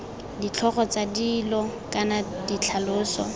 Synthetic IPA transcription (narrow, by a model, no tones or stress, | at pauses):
dit͡ɬʰɔχɔt͡sadiːlɔkʼanadit͡ɬʰalʊːsɔ